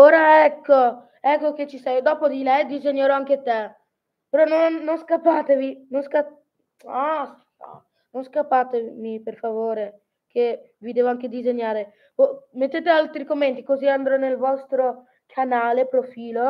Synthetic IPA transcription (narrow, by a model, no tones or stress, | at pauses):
oːɾaɛkːo | ɛkːok̟et͡ʃːisɛjd̪ɔːpod̪ilɛjd̪izeɲːeɾɔaŋk̟et̪e | peɾɔnoːonskapːaːt̪evinonska | as | a̰ | nonskapːaːt̪emiperfavoːɾe | ke | vid̪eːvoaŋk̟ed̪izeɲːaːɾe | vomet̪ːeːt̪ealt̪ɾikomːent̪ikoziand̪ɾɔnelvɔst̪ɾo | kʰanaːlepɾofiːlo